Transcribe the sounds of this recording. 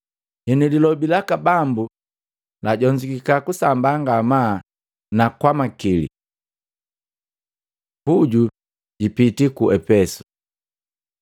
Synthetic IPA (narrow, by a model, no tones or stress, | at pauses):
hɛnililɔbilakabambu | laɟɔɲd͡ʒikikakusambaŋɡama | nakwamakilḭ | puɟu | ɟipitikuʔɛpɛsu̥